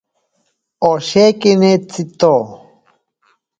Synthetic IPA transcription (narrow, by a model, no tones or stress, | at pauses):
oɕekinet͡sit̪o